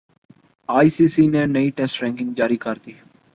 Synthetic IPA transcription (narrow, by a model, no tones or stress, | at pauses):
aːiːsiːsiːnẽːnəiːʈɛːsʈɾɛ̃ːŋkɪ̃ŋɡd͡ʒaːɾiːkəɾd̪iː